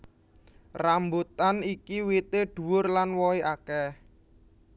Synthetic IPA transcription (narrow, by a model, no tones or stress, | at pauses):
rambut̪anikiwit̪eɖ̪̥ṳwʊrlanwɔiʔakɛ